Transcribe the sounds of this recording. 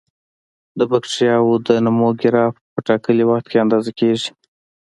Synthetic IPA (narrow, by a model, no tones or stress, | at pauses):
d̪əbakʂijɑwod̪ənamoɡɪɾɑfpəʈɑkəliwaxt̪̚keand̪ɑzakeʒi̥